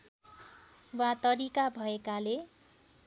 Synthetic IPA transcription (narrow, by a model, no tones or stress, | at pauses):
wat̪ʌɾikabʱʌekale